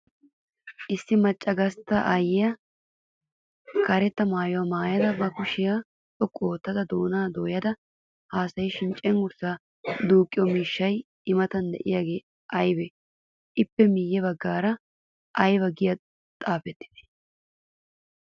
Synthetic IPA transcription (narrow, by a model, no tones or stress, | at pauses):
ʔɪsːɪmɐt͡ʃʼːɐɡɐst̪ːɐʔajɪjɐ | kɐɾɛt̪ːɐmaːjɔwɐmaːjɐd̪ɐbɐkʊʃɪjaː | tʼɔkʼːoːt̪ːɐd̪ɐd̪oːnaːd̪oːjɐd̪ɐ | haːsɐjɪʃɪnt͡ʃʼɛŋɡʊɾsaː | d̪uːkʼːɪjɔmiːʃːɐj | ɪmɐt̪ɐnd̪ɛ̰ʔɪjaːɡe̞ː | ʔɐjbɛ | ʔɪpːɛmiːjːɛbɐɡːaːɾɐ | ʔɐjbɐɡɪjɐ | t̪ʼaːfɛt̪ːɪ̥d̪̥e̥